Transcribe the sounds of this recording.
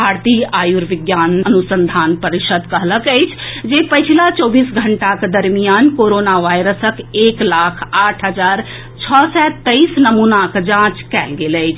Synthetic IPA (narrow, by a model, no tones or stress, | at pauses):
bʱaɾt̪iajuɾʋiɡjanənusənd̪ʱanpəɾiʃəd̪kəɦləkəɪt͡ʃʰd͡ʒepət͡ʃʰilat͡ʃɔbisɡʱəɳʈaked̪əɾmijankoɾonaʋajɾəsəkeklakʰaʈʰɦəd͡ʒaɾ | t͡ʃʰɔsɛt̪əisnəmunakd͡ʒãt͡ʃkɛlɡeləɪt͡ʃʰ